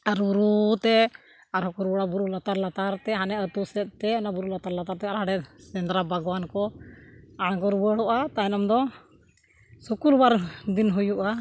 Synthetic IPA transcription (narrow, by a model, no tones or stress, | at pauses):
aɾbuɾut̪ɛ | aɾɦɔkuɾbɔɽabuɾulat̪aɾlat̪aɾt̪ɛɦanɛət̪usɛt̪̚t̪ɛənabuɾulat̪aɾlat̪aɾt̪ɛaɾɦaɽɛsɛnd̪ɾabʱaɡwankɔ | aɳ̃ɡɔɾubəɽɔʔat̪anamd̪ɔ | sukuɾwaɾd̪inɦujuʔa